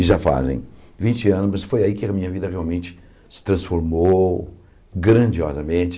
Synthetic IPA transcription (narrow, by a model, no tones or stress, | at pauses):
ɪʒafa̰zḛ̃j̃vĩnt͡ʃɪɐ̃nʊzmɐsfojaikɪamĩɲɐvid̪ɐʁeawmẽnt͡ʃɪ̥ | sɪ̥t̪ɾɐ̃sfoɾmo | ɡɾɐ̃d͡ʒiɔzɐmẽt͡ʃɪ̥